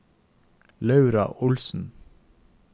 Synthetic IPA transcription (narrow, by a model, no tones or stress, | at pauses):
lɑʉɾɑ̰ʔʊlsn̩